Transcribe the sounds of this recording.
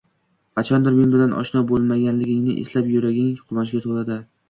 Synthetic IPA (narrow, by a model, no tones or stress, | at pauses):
qɑt͡ʃʰɒnd̪ɪɾmenbɪlanʔɒ̰ʃnɒbolˠmaɡʲanlɪɡʲɪŋnɪʔḛslapjʊɾaɡʲɪŋqʰʊmaʃ̬ɡʲat̪ʰolˠad̪ɪ